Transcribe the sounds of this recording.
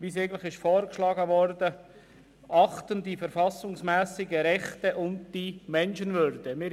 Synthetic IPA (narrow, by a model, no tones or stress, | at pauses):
ʋiːseɡlɪχɪʃfɔːɾkʃlɑːɡəʋɔrdə | ʔɑχtəndifəɾfɑsʊŋsmɛːsɪɡəɾɛχtəʔʊntd̥imɛnʃənvʏɾd̥əmɪː